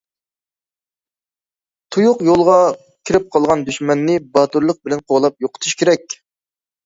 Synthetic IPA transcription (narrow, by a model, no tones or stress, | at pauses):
t̪ʰujʊqjolˠʁɑ | kʲʰiɾɪp̚qʰɑlˠʁɑnd̪yʃmɛnːɪbɑt̪uɾlˠəq̚bɪlɛnqʰoʁlˠɑp̚joqʰə̥t̪ʰu̥ʃkʲʰeɾɛk̚ʲ